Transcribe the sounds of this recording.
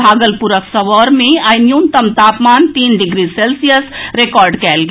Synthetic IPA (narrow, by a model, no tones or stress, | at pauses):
bʱaɡəlpuɾəksəʋəɾmeajnjunt̪əmt̪apmant̪inɖiɡɾiselsijəsɾekɔɾɖkɛlɡe